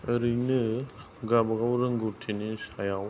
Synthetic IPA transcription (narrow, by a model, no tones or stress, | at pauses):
əɾinɯ | ɡabaɡawɾɯŋɡutʰinisajaw